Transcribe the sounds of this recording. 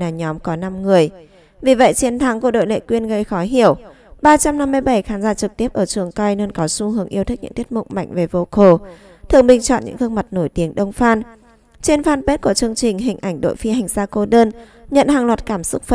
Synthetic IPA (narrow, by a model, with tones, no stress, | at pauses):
aː˨˩ɲɔ˨˦mkɔ˨˦na˧mŋɨ˨˩əj | vi˨˩və̰˧˨jt͡ɕi˨˦ənt̪ʰa˨˦ŋku˧˩ɗo̰˧˨lḛ˧˨kwi˧ənɣə˧jxɔ˨˦jɦi˧˩əw | ɓaː˧t͡ɕa˧mna˧mːɨ˧jɓə˧˩jxaː˨˦nzaː˧˩t͡ɕɨ˨˩k̚t̪i˦˥əp̚ʔəː˧˩t͡ɕɨ˨˩əŋka˧jnə˧nkɔ˨˦su˧hɨ˨˦əŋʔi˧əwt̪ʰɨ˦˥k̚ɲɨ̰˧˥ŋt̪i˦˥t̚mʊ̰˧˨ŋ͡m̚ma̰˧˨jŋ̟ve˨˩vo˧ko˧˩ | t̪ʰɨ̰˧˨əŋɓï˨˩ŋ̟t͡ɕɔ̰˧˨nɲɨ̰˧˥ŋk̪ɨ˧əŋma˨˩t̚no˧˩jt̪i˨˦əŋɗə˧wŋ͡mfaː˧n | t͡ɕe˧nfaː˧npe˦˥t̚ku˧˩ət͡ɕɨ˧əŋt͡ɕï˨˩ŋ̟ɦï˨˩ŋ̟ʔa˧˩jŋ̟ɗo̰˧˨jfi˧ha˨˩jŋ̟saː˧ko˧ɗəː˧n | ɲə̰˧˨nhaː˨˩ŋlwa˨˩t̚kaː˧˩msʊ˦˥k͡p̚fə˧˨